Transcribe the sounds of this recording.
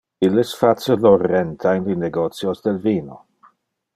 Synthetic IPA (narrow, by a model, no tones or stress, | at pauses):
ilɪsfasolorɛnt̪ʰajnlineɡot̪t͡sjosd̪elviːno